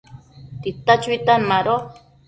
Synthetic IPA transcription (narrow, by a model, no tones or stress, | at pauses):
t̪it̪at͡ʃit̪anmaɾo